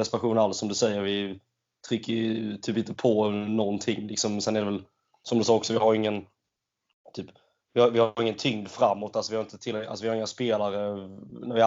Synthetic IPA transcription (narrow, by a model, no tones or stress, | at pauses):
ɛspɧuːnalsːɔmd̪ɵsɛjːəɾvɪ | t̪ʰɾʏkːət̪ʰyːp̬ɪnt̪əpʰɔnɔnt̪ʰɪŋːlɪksɔmsɛnɛæɾd̪ɛvɛl | sɔmd̪ɵsɑːɔksɔvɪhaɾɪŋːən | t̪ʰyːp | vɪhaɾvɪhaɾɪŋːənt̪ʰʏŋd̪fɾamːɔt̪ːalsɔvɪhaɾɪnt̪ət̪ʰɪlːɛa̰sɔvɪhaɾɪŋːaspeːlaɾənæɾvɪa